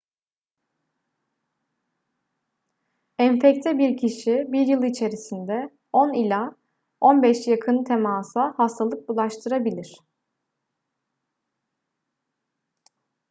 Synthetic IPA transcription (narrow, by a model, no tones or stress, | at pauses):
ɛɱfɛct̪ʰɛbiɾcʰiʃibiɾjɯlˠit͡ʃʰe̞ɾisind̪ɛ | o̞nilʲa | o̞nbɛʃjakʰɯnt̪ʰemaːsahast̪ʰalˠɯk̚bulˠaʃt̪ʰɯɾabilʲiɾ̥